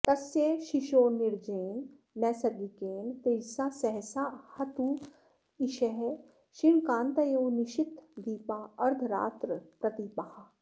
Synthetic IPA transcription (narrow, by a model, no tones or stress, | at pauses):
t̪ɐsjeʃiʃoːnɪɾd͡ʒeːnː | ɛːsɐd̪ikeːnt̪ed͡ʒsaːsɛɦsahɐt̪u | iʃɛɦ | ʃɪɳkãːnt̪ɐjoːnɪʃɪt̪d̪iːpaːɐɾd̪ʱɾa̰ːt̪ɾəpɾɐt̪ipaha